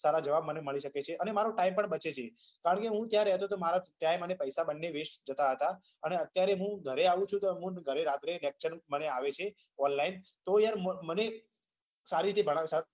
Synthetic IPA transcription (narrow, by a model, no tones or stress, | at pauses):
saɾad͡ʒəʋabməneməɭiʃəket͡ʃʰeʔənemaɾũʈaimpəɳbət͡ʃet͡ʃʰe | kaɾəɳkeɦũt̪jaɾeɦət̪ot̪omaɾaʈaimənepəjsabənːeʋeʃd͡ʒət̪aɦət̪a | əneət̪jaɾeɦũɡʱəɾeaʋũt͡ʃʰũt̪oɦũɡʱəɾeɾat̪ɾelek̚t͡ʃəɾməneaʋet͡ʃʰe | ɔnlaint̪ojaɾmməne | saɾit̪ʰibʱəɽ̃aʋsa